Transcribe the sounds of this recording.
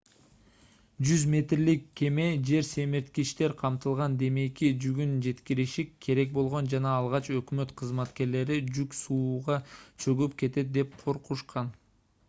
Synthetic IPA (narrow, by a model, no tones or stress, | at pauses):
d͡ʒyzmʲe̞t̪rlikʰːe̞me̞d͡ʒe̞ɾse̞miɾt̪kiʃt̪e̞ɾqʰɑmt̪ɯlˠʁɑnd̪e̞me̞kʲid͡ʒyɡynd͡ʒe̞t̪kiɾiʃikʰːe̞ɾe̞k̚bo̞lˠʁo̞nd͡ʒɑnɑːlˠʁɑt͡ʃø̞kmø̞t̪qʰɯzmɑt̪ke̞ɾle̞ɾid͡ʒyksuːʁɑt͡ʃʰøɡypke̞t̪e̞t̪̚d̪e̞p̚qʰo̞ɾquʃqʰɑn